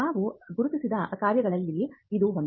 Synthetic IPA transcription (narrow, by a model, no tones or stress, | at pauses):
aːʋuɡuɾut̪isid̪ɐkaːɾjɐɡɐɭɐlːiid̪uɦon